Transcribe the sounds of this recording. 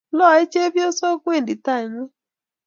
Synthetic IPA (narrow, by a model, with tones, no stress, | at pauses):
lɔ˦˨e˦t͡ʃe˦bjo˦so˦kʷe˦˨n˨di˨ta˦˨ɲe˦